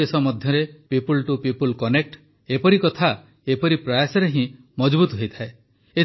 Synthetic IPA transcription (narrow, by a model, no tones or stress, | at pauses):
esɔmɔd̪ʱjɔɾepipulʈupipulkɔnek̚ʈ | epɔɾikɔt̪ʰa | epɔɾipɾajasɔɾeɦĩ | mɔd͡ʒbut̪ɔɦojt̪ʰae | e